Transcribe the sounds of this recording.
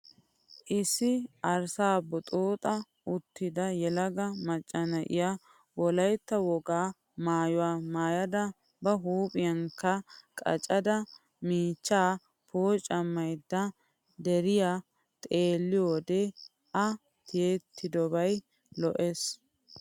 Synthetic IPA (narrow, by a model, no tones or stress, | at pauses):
ʔɪsːɪɐɾsaːbːɔt̪ʼoːt̪ʼɐ | ʔʊt̪ːɪd̪ɐjɛlɐɡɐmɐt͡ʃʼːɐnɐʔɪ̰ja | wɔlɐjt̪ːɐwɔɡaː | maːjʊwaːmaːjɐd̪ɐ | bɐɦuːpʼɪjɐŋkːɐkʼɐ̰t͡ʃʼɐd̪ɐ | miːt͡ʃːaː | pʰoːt͡ʃʼːɐmːɐjd̪ːɐ | d̪ɛɾɪjaː | t̪ʼe̞ːlːɪjoːd̪e | ʔɐ | t̪ɪjeːt̪ʰːɪd̪ɔbɐj | lɔʔes